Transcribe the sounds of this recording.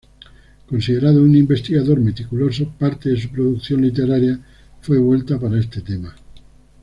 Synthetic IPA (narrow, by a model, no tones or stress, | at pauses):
ko̞nsiðe̞ɾaðounimbe̞st̪iɣaðo̞ɾme̞t̪ikulo̞sopaɾt̪eðe̞supɾoðukθjo̞nlit̪e̞ɾaɾja | fwe̞β̞we̞lt̪apaɾae̞st̪e̞t̪e̞ma